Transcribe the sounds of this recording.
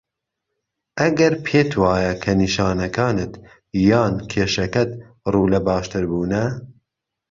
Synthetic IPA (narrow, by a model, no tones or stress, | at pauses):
ʔɐɡɐɾpʰeːt̪ʰwɑːjɐkʰɐniʃɑːnɐkɑːnɨt̪ | jɑːnkʰeːʃɐkɐt̪ | ruːlɐbɑːʃt̪ɨɾbuːnɐ